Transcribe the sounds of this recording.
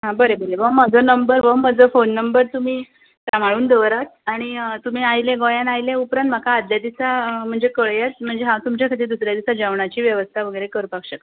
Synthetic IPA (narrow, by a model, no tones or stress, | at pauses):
ɦãbəɾebəlebəməd͡zənəmbəɾʋəməd͡zəfonːəmbəɾt̪um̤iː | t̪am̤aɭuːnd̪əʋɾat̪̚aɽ̃it̪um̤iːajlẽɡojãnajlẽupɾãnt̪m̤akaːd̪jad̪isam̤əɳd͡zekəɭjet͡s̪m̤əɳd͡zeɦãt̪umt͡ɕakʰat̪̬iːd̪usɾjad̪isad͡ʑaʋɳat͡ɕiːʋjəʋəst̪ʰaʋəɡəjɾekəɾpakɕək